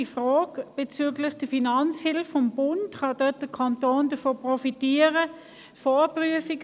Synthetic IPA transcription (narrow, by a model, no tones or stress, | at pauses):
ifʁɔːɡb̥et͡syːɡlɪχd̥əfinɑnt͡shɪlfɔmbʊntχɑdɛt̚d̥əkʰɑntoːndəfoːpʁɔfitiːəʁə | foːpryəfiɡ